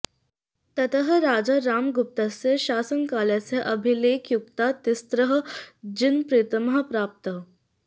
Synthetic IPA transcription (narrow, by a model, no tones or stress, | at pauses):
t̪ət̪əɦəɾaːd͡zaɾaːmɡup̚t̪aseɕaːsəŋkaːlat͡seʔəbʱileːkjukt̪at̪ist̪ɾəɦəd͡ʑinpɾiːt̪əmɦəpɾaːp̚t̪ə